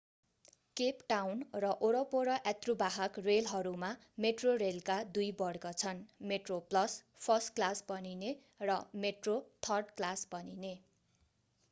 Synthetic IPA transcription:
kepʈawnrʌʔoɽʌpoɾʌʔat̪rubaɦʌkrelɦʌɾuma | meʈrorelkad̪ujbʌɽkʌt͡sʰʌnmeʈroplʌs | pʰʌsʈklasbʌnine | rʌmeʈrot̪ʰʌrɖklasbʌnine

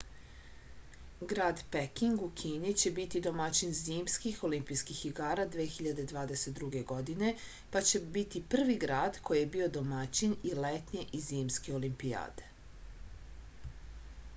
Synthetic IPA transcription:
ɡɾaːd̪pekiŋɡukʰiːnit͡ɕe̞bit̪id̪o̞mat͡ɕinzimskixo̞limpijskixːiɡaːɾad̪ʋeexiʎad̪e̞d̪ʋaːd̪eset̪̚d̪ɾuɡe̞ɡo̞d̪ine̞ | pat͡ɕe̞bit̪ipr̩ʋiɡɾaːd̪kʰo̞jijebio̞d̪o̞mat͡ɕinilet̪ɲeʔiziːmskeo̞limpia̰ːd̪e̥

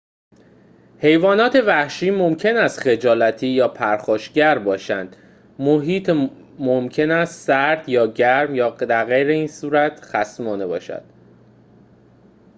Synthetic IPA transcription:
he̞jvɒːnɒːt̪ʰe̞væhʃiːmomcʰe̞næst̪xe̞d͡ʒɒːlæt̪ʰiːjɒːpʰæɾxɒːʃɟæɾbɒːʃænd̪̥ | moɦiːt̪ʰ | momcʰe̞næst̪sæɾd̪̥jɒːɟæɾmjɒːd̪æɣejɾeiːnsuːɾæt̪ʰxæsmɒːnebɒ̰ːʃæ̰d̪̥

